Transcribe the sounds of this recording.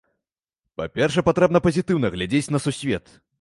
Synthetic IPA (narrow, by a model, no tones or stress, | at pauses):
pa̰pʲɛrʂ̬ɛpat̪ɾɛbnɐpɐzʲit̪ɨwnɐɣlʲad͡zʲet͡sʲn̪ɐsusʲvʲɛt̪